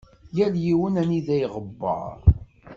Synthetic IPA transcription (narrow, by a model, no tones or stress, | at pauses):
jæljiwənæniðæjʁəbːɑ̰ɾ